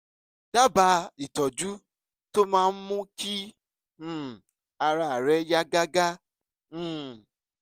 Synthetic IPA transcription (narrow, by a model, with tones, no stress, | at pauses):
d̥a˦ba˧˦i˨tɔ˨d͡ʒu˦ | to˦mãː˦˧n̩˦mũ˦kĩ˦˨ | a˧ɾa˧a˨ɾɛ˦ja˦ɡa˦ɡã˦˨